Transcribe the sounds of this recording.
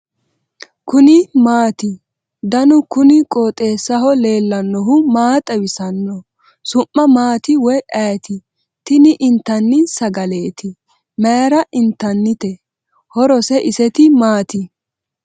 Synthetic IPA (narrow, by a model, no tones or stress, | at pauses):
kʊnɪmaːt̪ɪ | d̪ɐnʊkʊnɪkʼoːt̪ʼe̞ːsɐɦɔle̞ːlːɐnːɔɦʊmaːt̪ʼɐwɪsɐnːɔ | sʊʔːɐmaːt̪ɪwɔjʔɐjt̪ɪ | t̪ɪnɪʔɪnt̪ːɐnːɪsɐɡɐle̞ːt̪ɪ | meːɾɐʔɪnt̪ːɐnːɪt̪ɛ | hɔɾɔsɛʔɪsɛt̪ɪmaːt̪ɪ